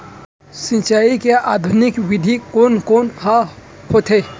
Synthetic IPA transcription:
sĩt͡ʃaːikeʔaːd̪ʱʊnɪkʋɪd̪ʱikoːnkoːnha | hot̪ʰe

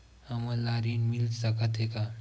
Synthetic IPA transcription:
həməlaɾinmilsəkət̪eka

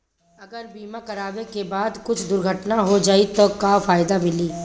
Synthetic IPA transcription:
ɐɡəɾbiːmakɐɾaːʋekebaːd̪kʊt͡ʃʰd̪ʊɾɡʱəʈnaɦod͡ʒaːit̪okaːfaːjd̪amɪliː

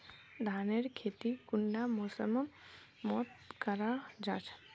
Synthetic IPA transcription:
d̪ʱaːneɾkʰeːt̪ikʊɳɖamɔːsəməmː | ɔːt̪̚kəɾad͡ʒaːt͡ʃʰ

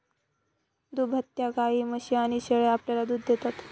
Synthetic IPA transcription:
d̪ubʱət̪jaɡaiməɕianiɕeɭeapljalad̪uːd̪d̪et̪at̪

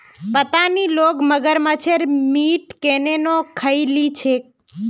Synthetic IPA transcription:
pət̪anilokməɡəɾmãt͡ʃʰeɾmiʈkenenokʰəilit͡ʃʰe

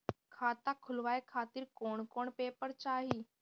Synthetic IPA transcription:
kʰaːt̪akʰʊlʋajkʰat̪iːɾkoːɳkoːɳpepəɾt͡ɕaɦiː

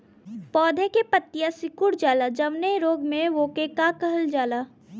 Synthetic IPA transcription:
pɔːd̪ʱekepət̪ːjasɪkʊɽd͡ʒaːlad͡ʒɐʋneɾoːɡmẽʋoːkekakəɦəld͡ʒaːlaː

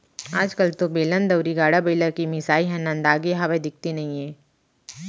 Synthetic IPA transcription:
aːd͡ʒkəlt̪obeːlə̃nd̪ɐwɾiɡaːɽabeːləɾkimɪsaːiɦɛ̃nɐ̃nd̪aːɡiɦaʋed̪ɪk̚ʰt̪inɐɦĩɛ̃ː

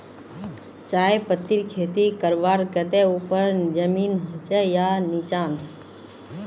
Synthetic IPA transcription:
t͡ʃaːepət̪ːiɾkʰeːt̪ikəɾʋaːɾkət̪eupəɾd͡ʒəmiːnɦoːt͡ʃejanit͡ʃaːn

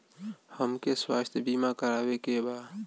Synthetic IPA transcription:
həmkeswa̰st̪ʰjbimakəɾabekeba

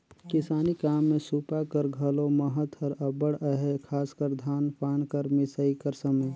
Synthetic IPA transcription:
kɪsaːnikaːmːẽsuːpakəɾɡʱəloməɦət̪əɾəbəɽəɦekʰaːskəɾd̪ʱaːnpʰaːnkəɾmisəikəɾsəməj

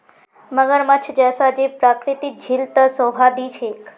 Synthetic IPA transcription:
məɡəɾmət͡ʃʰd͡ʒɛsad͡ʒepɾakɾit̪id͡ʒʱilt̪əsɔ̃ɦad̪it͡ʃʰek

